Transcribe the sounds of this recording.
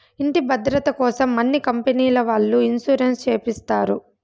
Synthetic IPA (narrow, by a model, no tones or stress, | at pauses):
iɳʈibɐd̪ɾɐt̪ɐkɔːsɐmːɐnːikɐmpeniːlɐʋaːɭːuinsuɾenst͡ʃeːpist̪aːɾu